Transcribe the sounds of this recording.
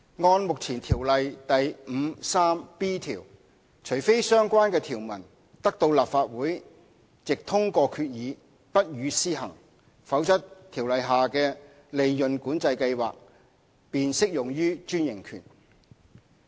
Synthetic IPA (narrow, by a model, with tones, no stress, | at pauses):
ŋɔː˧nmʊ˨k̚t͡sʰiː˨˩nt̪ʰiː˨˩wlɐ˨jt̪ɐ˨jm̩˨˧saː˥mpiː˥t̪ʰiː˨˩w | t͡ʃʰɵ˨˩jfe˥jsœː˥ŋkʷaː˥nkɛː˧t̪ʰiː˨˩wmɐ˨˩n | t̪ɐ˥k̚t̪o˧wlaː˨pfaː˧t̚wuː˨˥j | t͡sɪ˨k̚t̪ʰʊ˥ŋkɔː˧kʰyː˧t̚jiː˨˧ | pɐ˥t̚jyː˨˧siː˥ɦɐ̰˨˩ŋ | fɐ˨˥wt͡sɐ˥tt̪ʰiː˨˩wlɐ˨jɦaː˨kɛː˧ | le˨˧jːɵ˨nkuː˨˥nt͡sɐ˧jkɐ˧jwa̰ː˨k̚ | piː˨˧nsɪ˥k̚jʊ˨˩ŋjyː˥t͡ʃyː˥njɪ˨˩ŋkʰy̰ː˨˩n